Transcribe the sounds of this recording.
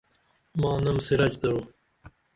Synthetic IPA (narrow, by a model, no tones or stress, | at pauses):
mɑːnɐmsiɾɐt͡ʃd̪ɐɾoː